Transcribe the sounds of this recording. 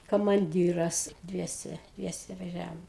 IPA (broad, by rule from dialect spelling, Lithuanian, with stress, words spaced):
kɐmɐnʲˈdʲiːrɐs ˈdʲʋʲiɛsʲɛ ˈdʲʋʲiɛsʲɛ ʋɐˈʒʲæːʋoːm